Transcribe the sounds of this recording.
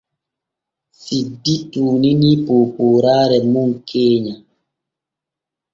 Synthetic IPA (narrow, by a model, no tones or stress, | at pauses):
sidituːninipoːpoːɾaːɾɛmuŋkʰeːɲa